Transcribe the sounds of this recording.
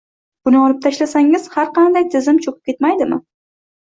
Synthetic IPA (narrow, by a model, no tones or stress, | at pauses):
b̥ʊnɪɒlˠɪp̚t̪ʰaʃlasaŋɪz̥haɾqʰɑnd̪ajt̪ʰɪzɪmt͡ʃʰopʰɪp̚kʲe̞t̪majd̪ɪmɪ̰